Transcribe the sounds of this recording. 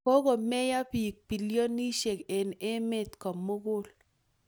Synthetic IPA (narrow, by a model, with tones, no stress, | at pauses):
ko˦ɡo˨mɛ˦ja˦pi˨k̚pi˨ljo˦ni˦ʃe˨ke˨ne˦mɪ˦t̪kɔ˨mːo˦ɡʊ˦l